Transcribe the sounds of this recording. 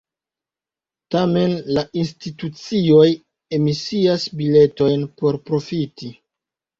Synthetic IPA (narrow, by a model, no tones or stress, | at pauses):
tame̞nlaʔinstitut͡sio̞j | e̞misiasbile̞to̞jnpo̞ɾpɾo̞fiti